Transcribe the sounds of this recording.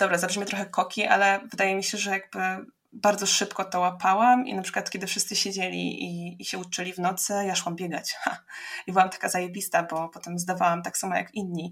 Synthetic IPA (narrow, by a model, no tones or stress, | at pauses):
d̪ɔbɾazabʐmjɛt̪ɾɔxɛkɔkʲiʔa̰lɛvɘd̪ajɛmʲiɕɛʐɛjaɡ̚bɘ | baɾd̪zɔʂɘpkɔt̪ɔwapʰawamḭnapʂɘ̥kwat̪kʲɛd̪ɘfʂɘst̪sɘɕed͡ʑelʲḭʔiːɕɛutt͡ʂɛlʲivnɔt̪sɛjaʂwambʲjɛɡa̰t͡ɕhaibɘwamt̪ḁkazajebʲist̪abɔpɔt̪ɛmzd̪avawamt̪aksamaja̰kinɲi